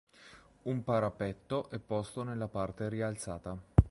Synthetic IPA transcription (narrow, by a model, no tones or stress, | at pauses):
umpaɾapɛt̪ːoʔɛpːɔst̪onelːapart̪eɾialt̪saːt̪a